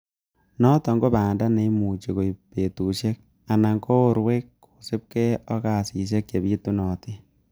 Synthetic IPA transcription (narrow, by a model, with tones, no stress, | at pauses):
nɔ˦tɔ˨ŋɡo˦baː˨nda˦ne˦mu˨t͡ʃi˨ko˨i˨pe˨tu˨ʃɛ˦k̚ | a˨na˨ŋko˦o˦ɾwe˦kːu̥˨sɪ˦p̚kɛ˦ɔ˦ka˨si˨ʃ̬ɛ˦ke˨bi˦tu˦nɔ˨ti˦